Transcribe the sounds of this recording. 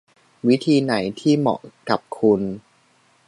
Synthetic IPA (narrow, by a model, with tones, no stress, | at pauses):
wi˦˥t̪ʰiː˧na˩˦jt̪ʰiː˥˩mɔ̰˨˩ka˨˩p̚kʰu˧n